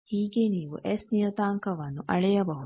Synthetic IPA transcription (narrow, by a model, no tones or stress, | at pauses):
hiːɡeniːʋṵʔesnijɐt̪aːŋkɐʋɐnːuʔɐɭejɐbɐɦu